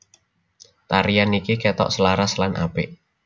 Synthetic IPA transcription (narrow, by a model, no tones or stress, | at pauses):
t̪aɾijanikikɛt̪ɔ̰ʔsəlaɾaslanʔa̰pɪʔ